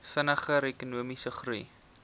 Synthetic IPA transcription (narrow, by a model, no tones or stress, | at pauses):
fənəχəɾekunuəmisəχruj